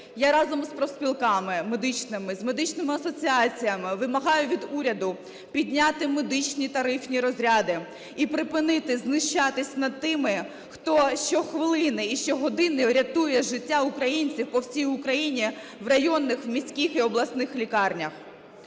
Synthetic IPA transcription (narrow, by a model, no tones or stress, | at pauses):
jaɾɑzɔmspɾɔspʲilˠkɑmɪmed̪ɪt͡ʃnɪmɪzmed̪ɪt͡ʃnɪmɪɐsɔt͡sʲiɑt͡sʲijɐmɪʋɪmɐɦɑjʊʋʲid̪uɾʲɐd̪ʊ | pʲid̪ʲnʲat̪ɪmed̪ɪt͡ʃnʲit̪ɐɾɪfnʲiɾɔzʲɾʲad̪ɪ | ipɾɪpɪnɪt̪ɪznɪʃt͡ʃɑt̪ɪsʲnɐd̪̚t̪ɪmɪ | xt̪ɔʃt͡ʃɔxʋɪlˠɪnɪiʃt͡ʃɔɦɔd̪ɪnɪɾʲɐt̪ujɛʒɪtʲːaʊkɾɐjinʲt͡sʲiwpɔwsʲijʊkɾɐjinʲi | wrɐjɔnːɪxwmʲisʲkʲixiɔblˠɐsnɪxlʲikɑrnʲɐx